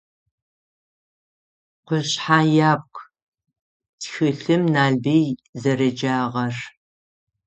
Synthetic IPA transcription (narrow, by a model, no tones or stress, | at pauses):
qʷʊɕħaːjaːp̚kʷʰʼ | txɨɬɨmnaːɮbejzɐrɐd͡ʒaːʁɐr